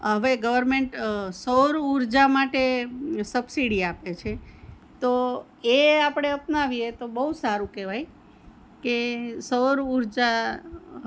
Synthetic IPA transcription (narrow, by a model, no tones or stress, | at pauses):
ɦəʋeɡəʋəɾmeɳʈsəɾuɾd͡ʒamaʈesəbsiɽiapet͡ʃʰe | t̪o | eapɽ̃eəpnaʋiet̪obəusaɾũkɛʋaj | kesəɾuɾd͡ʒa